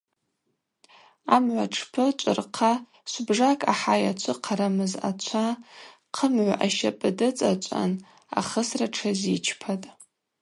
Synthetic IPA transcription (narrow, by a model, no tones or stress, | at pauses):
amʕʷaʈ͡ʂʰpʰɨt͡ʃʷʼʊrqʰa | sʷbʐakʼa̰ħajat͡ʃʷʰɨqʰaɾamɨza̰t͡ʃʷʰa | qʰəmʕʷaʔaʃapʼɨdɨt͡sʼat͡ʃʷʼa̰n | a̰χəsraʈ͡ʂʰazit͡ʃʰpʰatʼ